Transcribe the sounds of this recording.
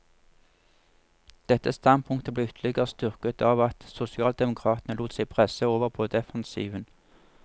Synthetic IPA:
d̪̥ɛt̪ːəst̪ɑn̚pʰʊŋk̚t̪əbleːʏt̪ʰlɪɡəʁəst̪ʏʁkət̪ʰɑːʋɑt̪sʊsɪɑːld̪ɛmʊkʰʁɑːt̪nəluːt̪sæɪpʰʁɛsəoːʋəʁpʰoːd̪ɛfɑnsḭːʋən

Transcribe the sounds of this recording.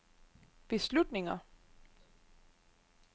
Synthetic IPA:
b̥e̝slud̥ne̝ŋɐ

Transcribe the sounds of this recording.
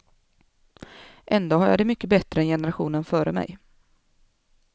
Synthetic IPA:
ʔɛnd̪oːhaɾja̰ːd̪ɛmʏkːəbɛt̪ːɾəɛnjɛnəɾaɧuːnənfœːɾəmɛ̰j

